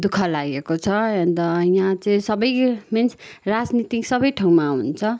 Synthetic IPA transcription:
d̪ukʰʌlaɡekot͡sʰʌʌnd̪ʌjãt͡sʌĩsʌbʌjmensʰrad͡znit̪iksʌbʌjʈʰaw̃maunt͡sʰʌ

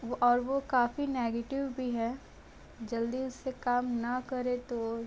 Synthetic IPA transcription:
ɔːɾʋokaːfineːɡeːʈɪʋbʱiɦɛː | d͡ʒɐld̪iʊsːekaːmnɐkɐɾẽt̪o

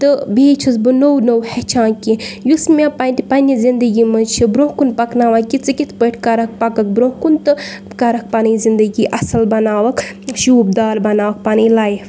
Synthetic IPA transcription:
t̪ɨbeːt͡ʃʰusbɨnownowhɛt͡ʃʰãːkʲijusmʲepɐnt̪ipɐnʲizind̪əɡʲimɐt͡ʃʰibɾõːkunpɐknaːʋaːkit͡sɨkit̪ʰpəʈʰʲkɐɾɐk̚pɐkɐk̚bɾõːkunt̪ɨ | kɐɾɐk̚paːnizind̪əɡiʔɐsɐlbɐnaːʋɐk | ʃuːbd̪aːɾbɐnaːʋɐk̚paːnilaːjif

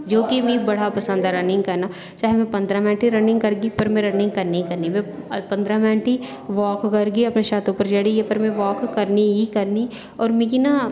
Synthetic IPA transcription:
d͡ʒoːkimĩbɐɽ̤apɐsə̃nd̪aɾɐnɪ̃ŋɡkɐɾna | t͡ʃaːɦemɛ̃pɐ̃nd̪ɾamɛ̃ːɳʈiɾɐnɪ̃ŋɡkɐɾɡipɐɾmẽɾɐnɪ̃ŋɡkɐɾneikɐɾnimẽpɐ̃nd̪ɾãmɛ̃ːʈi | ʋɔːkːɐɾɡiɐpneʃaːt̪õpəɾd͡ʒɐɽiepɐɾmẽʋɔːkkːɐɾniɦikɐɾni | ɔːɾmĩkina

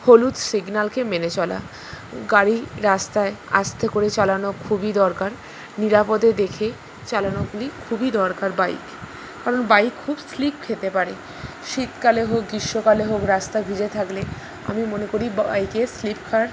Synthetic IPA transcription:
holut̪siɡnalkemenet͡ɕɔla̰ | ɡaɾiɾast̪aea̰st̪ʰekoɾet͡ɕalanokʰubid̪ɔɾkaɾ | niɾapod̪ed̪ekʰe | t͡ɕalanoɡulikʰubid̪ɔɾkaɾbaḭk | kaɾonbajkʰubslipkʰet̪epaɾe | ʃit̪kaleɦok̚ɡiʃːokaleɦokɾast̪abʱid͡ʑet̪ʰakle | a̰mimonekoɾiba̰jkeslipkʰaɾ

